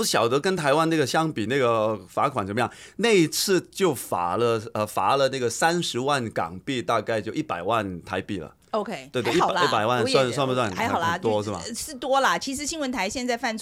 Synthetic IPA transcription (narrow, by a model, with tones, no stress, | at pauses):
ɕjɑ˨˩ʊt̪ɤ˧˥kə˥nt̪ʰa˧˥ɪwa˥n˥˩ɡə˩ɕjɑ˥ŋpi˨˩na˥˩ɡə˩˧fa˧˥kʰwa˨˩nsə˧˥mə˧jɑ˥˩ŋ | ne˥˧ɪi˧˥t͡sʰɹ̩˥˧t͡ɕjo˥˩ʊfa̰˨˩lə˧ə˧fa˧˥lə˧na˥˩ɡə˩sa˥nʂɻ̩˧˥wa˥˩nkɑ̰˨˩ŋpi˥˧t̪a˥˧ka˥˧ɪt͡ɕjo˥˧ʊʔi˥˩pa˨˩ɪwa˥˩nt̪ʰa˧˥ɪpḭ˨˩lə̰˩ | o˧ʊkʰe˥ɪt̪we˥˩˧t̪i˥˩pa˨˩ɪwa˥˧nswa˥˧nswa˥˧npə˥swa˥˩na˧˥ɪ˨ɑ˨˩lə˧˦t̪wɔ˥ʂɻ̩˥˩mɐ̰˩ʂɻ̩˥˩t̪wɔ˥lə˨t͡ɕʰi˧˥ʂ̬ɻ̩˧˥ɕi˥ŋwə˧˥nt̪ʰa˧˥ɪɕjɛ˥˧nt͡sa˥˧ɪfa˥˩nt͡sʰ